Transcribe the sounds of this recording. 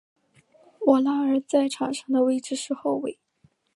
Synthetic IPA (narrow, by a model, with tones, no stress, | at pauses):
wɔ˨˩la˥ə˞˨˩˥t͡sa˥˩ɪʈ͡ʂʰɑ˨˩ŋʂɑ˥˩ŋd̪ə˨˧we˥˧ɪʈ͡ʂɻ̩˥˧ʂɻ̩˥˧xo˥˧ʊwe˥˩ɪ